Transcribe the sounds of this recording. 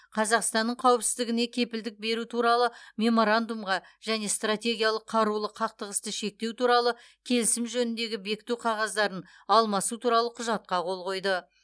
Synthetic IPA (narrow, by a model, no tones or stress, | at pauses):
qʰɑzɑqst̪ɑnːəɴqʰɑwəpsɪzd̪ɪɡʲɪne̞kʲʰe̞pɪld̪ɪk̚be̞ɾut̪ʰuɾɑlˠəmʲe̞mo̞ɾand̪umʁɑʒ̥æne̞st̪rat̪ʲe̞ɡʲijalˠəqʰɑɾulˠəqʰɑq̚t̪əʁəst̪əʃe̞k̚t̪e̞wt̪uɾɑlˠə | kʲʰe̞lɪsɪmʒɵnɪnd̪e̞ɡʲɪbe̞kʲɪ̥t̪uqʰɑʁɑzd̪ɑɾən | ɑlˠmɑsut̪ʰuɾɑlˠəqʰʊʒɑt̪̚qɑqʰo̞lˠʁo̞jd̪ə